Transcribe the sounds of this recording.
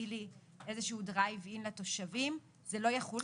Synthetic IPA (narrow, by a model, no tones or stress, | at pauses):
ili | ʔe̞zeʃuudʁavinlat̪o̞ʃavim | zelo̞jaχu